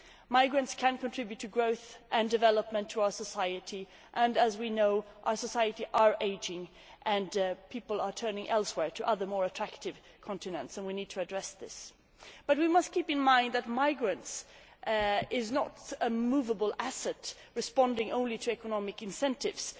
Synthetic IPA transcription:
maɪɡɹɨ̃ntskʰɨ̃nkʰɨ̃ntʰɹ̥ɪbjʉtʰːɨɡɹoʊθʔɨ̃ndɨvɛlˠəp̚mə̃ntʰəaʊə˞səsaɪɨɾi | ʔə̃nəzwinoʊʔaʊə˞səsaɪɨɾiʔə˞ʔeɪd͡ʒɪ̃ŋ | ʔɨ̃npʰipl̩ˠə˞tʰɜ̃˞nɪ̃ŋʔɛlˠswɛɹtʰɨʔʌðə˞mɔɹɨtʰɹ̥æktɨv̥ | kʰɑ̃ntɨnɨ̃ntsə̃nwinid̚tʰɨːdɹɛsðɪs | b̥ʌt̚wimʌstkʰipɨ̃nmãɪ̃nd̪ðɨt̚maɪɡɹɨ̃nts | ɪznəɾəmuvəbl̩ˠæsɛt | ɹɨspɑ̃ndɪ̃ŋʔõʊ̃nliɾɨɛkənɑmɨkɨ̃nsɛ̃ntɪ̰vz̥

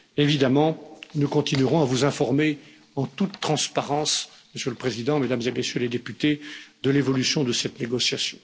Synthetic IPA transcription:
evid̪amɑ̃nukɔ̃t̪inɥiʁɔ̃avuzɛ̃fɔʁme | ɑ̃t̪ut̪ːχɑ̃spaʁɑ̃sməsjøləpχezid̪ɑ̃med̪amzemesjøled̪epyt̪ed̪əlevɔlysjɔ̃d̪əsɛt̪neɡɔsjasjɔ̃

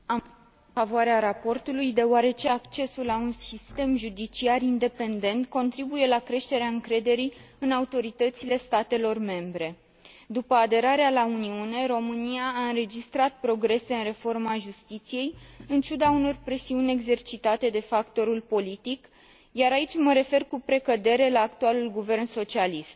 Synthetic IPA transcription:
avoaɾeaɾapo̞rt̪ulujd̪e̞oaɾe̞t͡ʃe̞akt͡ʃe̞sulːaunsist̪e̞mʒud̪it͡ʃiarind̪e̞pe̞nd̪e̞nt̪ko̞nt̪ɾibuje̞lakɾe̞ʃt̪e̞ɾeaɨŋkɾe̞d̪e̞ɾi | ɨnaut̪o̞ɾit̪ət̪sile̞st̪at̪e̞lo̞rme̞mbɾe̞ | d̪upəad̪e̞ɾaɾealauniune̞ɾo̞mɨnijaːɨnɾe̞d͡ʒist̪ɾat̪̚pɾo̞ɡɾe̞se̞ɨnre̞fo̞rmaʒust̪it̪sije̞jɨnt͡ʃud̪auno̞rpɾe̞siunʲe̞ɡze̞rt͡ʃit̪at̪e̞d̪e̞fakt̪o̞ɾulpo̞lit̪ik | jaɾait͡ʃʲməɾe̞fe̞rkupɾe̞kəd̪e̞ɾe̞laːkt̪ualulɡuve̞rnso̞t͡ʃialist̪̚

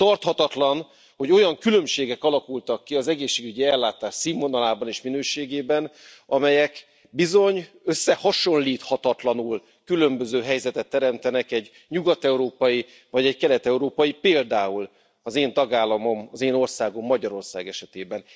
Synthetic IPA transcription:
t̪ɒrt̪hɒt̪ɒt̪lɒn | ho̞ɟo̞jɒŋkylømʃeːɡɛkɒlɒkult̪ɒkːiɒzɛɡeːʃːeːɡyɟiɛlːaːt̪aːʃsimːonɒlaːbɒneːʃminøːʃeːɡeːbɛnɒmɛjɛk | bizo̞ɲ | ø̞sːɛhɒʃo̞nliːt̪hɒt̪ɒt̪lɒnul | kylø̞mbø̞zøːɦɛjzɛt̪ɛt̪ːɛɾɛmt̪ɛnɛkɛɟ | ɲuɡɒt̪ɛuɾoːpɒji | vɒɟɛckɛlɛt̪ɛuɾoːpɒjipeːld̪aːul | ɒzeːnt̪ɒɡaːlːɒmo̞mɒzeːno̞rsaːɡo̞mːɒɟɒɾo̞rsaːɡɛʃɛt̪eːbɛn

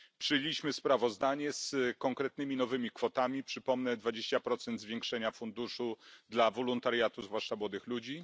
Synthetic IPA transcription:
pʂɘjelʲiɕmɘspɾavɔzd̪aɲɛskɔŋkɾɛt̪̚nɘmʲinɔvɘmʲikfɔt̪amʲipʂɘpɔmnɛd̪vad͡ʑeɕt͡ɕapɾɔt̪sɛnd̪zvʲjeŋkʂɛɲafund̪uʂud̪lavɔlɔnt̪aɾjat̪uzvwaʂt͡ʂamwɔd̪ɘxlud͡ʑi

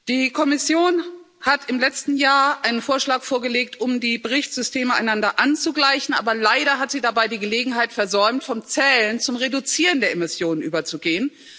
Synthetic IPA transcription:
d̥iːkʰɔmɪsjoːn | hatʰɪmlɛt͡stn̩jaːɐʔaɪnənfoːɐʃlaːkfoːɐɡəleːk̚tʰʔʊmdiːbəʁɪçtz̥ʏstʰeːməa̰ɪnandɐʔant͡suɡlaɪçn̩ʔa̰ːbɐlaɪɾɐɦatz̥iːdabaɪdiːɡəleːɡŋ̩ɦaɪtfɛɐzɔʏmtfɔmt͡sɛlənt͡sʊmʁedut͡siːʁəndeːɐʔɪmɪsjoːnənʔyːbɐt͡suɡeːən

